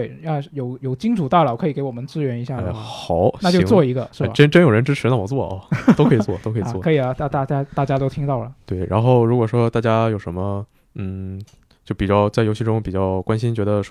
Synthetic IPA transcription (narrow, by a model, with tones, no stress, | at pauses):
t̪e˥˩ɪa˥˩jo˨˩˦ʊjo˨˩ʊt͡ɕi˥ŋʈ͡ʂʰu˨˩t̪ɑ˥˩lɑ˨˩kʰɤ˧˥i˨˩ke˧˥ɪwɔ˨˩mə˦nt͡sɹ̩˥ɥɛ˧˥ni˧˥ɕja˥˩˥xɑ˨˩˦ʊna˥˧t͡ɕjo˥˧t͡swɔ˥˩i˧˥ɡə̰˧ʂɻ̩˥˩bʈ͡ʂə˥nʈ͡ʂə˥njo˨˩ʊɻə˧˥nʈ͡ʂɻ̩˥ʈ͡ʂʰɻ̩˧˥na˥˩wɔ˨˩t͡swɔ˥˩ʔɐ̰˧˩to˥kʰɤ˧˥i˨˩t͡swɔ˥˩t̪o˥ʊkʰɤ˧˨˩wɔ˥kʰɤ˧˥i˨˩ɐ˧t̪a˥˧t̪a˥˩t͡ɕja˥t̪a˥˩t͡ɕja˥t̪o˥ʊt̪ʰi˥ŋt̪ɑ˥˩ʊlə˩t̪we˥˩ɪɻa̰˧˥nxo˥˩ʊɻu˧˥kwɔ˨˩ʂwɔ˥t̪a˥˩t͡ɕja˥jo˨˩ʊʂə˧˥nmə˧ | n̩˥˩ | t͡ɕjo˥˩ʊpi˨˩t͡ɕjɑ˥˧ʊt͡sa˥˩ɪjo˧˥ɕʰi˥˩ʈ͡ʂʊ˥ŋpi˨˩t͡ɕjɑ˥˩ʊkwa˥nɕi˥nt͡ɕɥɛ˧˥d̪ə˧ʂ